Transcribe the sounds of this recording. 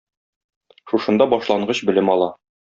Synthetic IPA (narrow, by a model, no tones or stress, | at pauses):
ʃuʃɤ̆nd̪ɑbɒʃlˠɑɴɢɤɕbɘ̆lɘmɒlˠɑ